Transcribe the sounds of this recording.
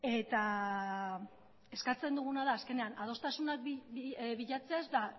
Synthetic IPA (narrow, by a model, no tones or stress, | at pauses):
e̞t̪a | e̞skat͡se̞nd̪uɣ̞unaðaːske̞ne̞anað̞o̞st̪asunak̚ | βiʎat͡se̞azd̪a